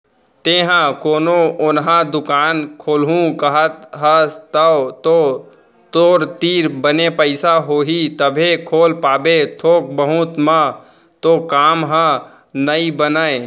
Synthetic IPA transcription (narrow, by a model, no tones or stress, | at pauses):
t̪eːɦãkoːnoʊnɦãd̪ʊkaːnkʰoːlɦũkəɦət̪ɦət̪ət̪o | t̪oːɾt̪iːɾbənepəɪsaɦoːɦit̪əbʱekʰoːlpaːbet̪ʰoːk̚bəɦut̪mã | t̪okaːmɦə̃ | nəibənəe